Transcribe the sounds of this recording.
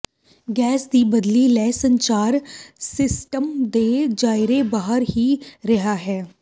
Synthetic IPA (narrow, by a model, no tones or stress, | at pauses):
ɡɛːsd̪iːbəd̪lilɛːsə̃ɲt͡ʃaːɾsɪsʈəmd̪eːd͡ʒaːɪɾebaːɦəɾhiːɾɪɦaːɦɛː